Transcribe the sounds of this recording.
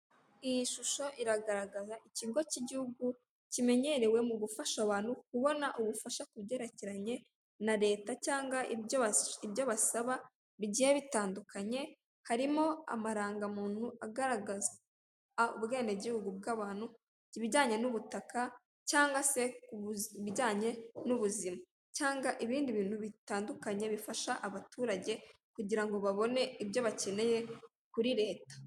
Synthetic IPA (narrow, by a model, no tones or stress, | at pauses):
ijiʃuʃo̞ʔiɾaɡaɾaɡazaʔiciɡo̞ciɟihuɡu | cime̞ɲe̞ɾe̞we̞muɡufaʃaβaːnhukuβo̞naʔuβufaʃakuβɟe̞ɾeciɾaɲe̞ | naɾe̞ːtacaːŋɡaʔoβiβɟo̞βasaβa | βiɟiheβitaːndukaɲe̞ | haɾimo̞a̰maɾaːŋɡamuːn̥uʔaɡaɾaɡaza | ṵβɡe̞ːnde̞ɟihuɡub̚ɡaːβaːn̥hu | iβiɟaːɲe̞nuβutaka | caːŋɡase̞ | βiɟaːɲe̞nuβuzima | caːŋɡaʔiβiːndiβiːnhuβitaːndukaɲe̞βifaʃaʔaβatuːɾaɟe̞ | kuɟiɾaŋɡo̞βaβo̞ne̞ibjo̞βace̞ne̞je̞ | kuɾiɾe̞ːtḁ